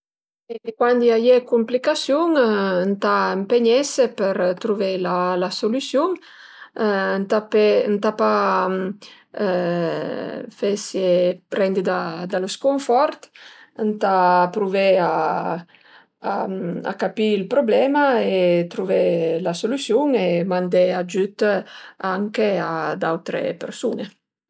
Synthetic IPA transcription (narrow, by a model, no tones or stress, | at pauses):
eekwand̪iajekumplikasjuŋnt̪aempeɲɛsepəɾt̪ɾuvelalasolysjuŋ | nt̪apent̪apa | fesepɾɛnd̪id̪ad̪aloskoɱfɔɾt̪ | nt̪apɾuvea | aa̰kapiilpɾoblɛmaet̪ɾuvelasolysjuŋemand̪ead͡ʒyt̪aŋkead̪awt̪ɾḛpḛɾsune